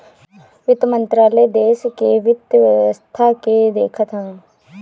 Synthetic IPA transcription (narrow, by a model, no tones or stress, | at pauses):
ʋɪt̪mə̃nt̪ɾaːləed̪eːskeʋɪd̪st̪ʰaked̪eːkʰət̪ɦãː